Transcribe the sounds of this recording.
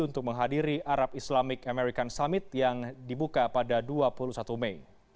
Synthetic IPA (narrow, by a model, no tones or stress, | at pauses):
unt̪ʊk̚məŋɦadiɾiʔaɾap̚islamɪkameɾikansamɪt̪̚jaŋdibukapadaduapulusat̪umɛj